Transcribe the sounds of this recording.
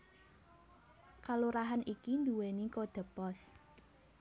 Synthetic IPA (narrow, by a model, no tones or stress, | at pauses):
kaluɾaɦanikind̪uwenikod̪̥ə̤pɔs